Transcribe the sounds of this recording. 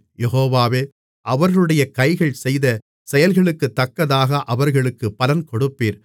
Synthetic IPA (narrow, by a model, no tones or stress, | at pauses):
jɛɦoːʋaːʋeː | ʔɐʋɐɾɯɽɐjɐkɐɪɣɐɭsɛjðɐ | sɛjɐlɣɐɭɯkːɯt̪ːɐkːɐðaːɣɐʔɐʋɐɾɣɐɭɯkːɯpːɐlɐnkɔɽɯpːiːɾ